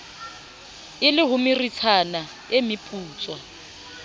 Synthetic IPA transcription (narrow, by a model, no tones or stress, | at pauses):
ɪlɪɦʊmɪrit͡sʰana | emɪpʼuːt͡sʼwa